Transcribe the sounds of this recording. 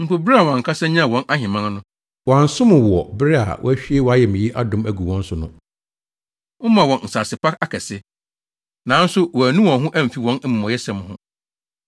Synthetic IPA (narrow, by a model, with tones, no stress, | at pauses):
m̩˨po˨bɾi˦a˨wɔ̃˨ŋ̩˨kʰa˦sɛ̃˦ɲã˦˨wɔ̃˦nʔa˦ɦɪ̃˨mã˦n˦nʊ̃˦ | wã˨n̩˦sʊ̃˦mʊ̃˨wɔ˨bɪ˦ɾɪ˦a̰˨wʔɔ̰˦æ˦ɕᶣi˦e˦wɔ˨˦a˦jɛ˨mɪ̃˨ji˦ʔa˦dʊ̃˦mæ˨ɡu˨wɔ̃˦n̩˦sʊ˨nʊ̰̃˦ | ʊ̃˦mã˨wɔ̃˨n˨n̩˨sa˨sɪ˨pʰa˦ka˨kʰɛ˨sɪ˦ | nã˨˦n̩˦sʊ˦wɔ˨æ˨nũ˦wɔ̃˨˦ɦʊ̃˦ʔæ˦m̩˨fi˨wɔ̃˦n˦m̩̃˨mɔ̃˨jɛ˦sɛ̃˨m˨hʊ̃˦